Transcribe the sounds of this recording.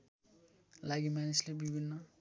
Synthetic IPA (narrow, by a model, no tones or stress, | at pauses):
laɡimanislebibʱinːʌ